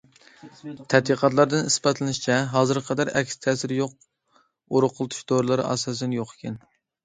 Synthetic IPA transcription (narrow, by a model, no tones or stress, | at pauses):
t̪ʰɛt̪iqʰɑt̪̬lˠɑɾd̪ɨnisbɑt̪lˠɨnɪʃi̥t͡ʃʰɛɦɑːzɨɾqʰɑd̪ɑɾɛkʲst̪ʰɛsɪɾjoq̚ | oɾʊqʰʊlˠɨt̪ʰu̥ʃd̪oɾlˠɨɾɑ̰ːsɑːs̬ɛnjoqːə̥kʲʰɛn